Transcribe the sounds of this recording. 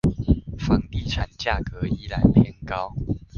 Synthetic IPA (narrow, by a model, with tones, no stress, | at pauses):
fɑ˨˦ŋt̪i˥˩ʈ͡ʂʰa˨˩nt͡ɕja˥˩kə˨˦i˦la˨˦nt̪ʰjɛ˧˥˦nkɑ˦ʊ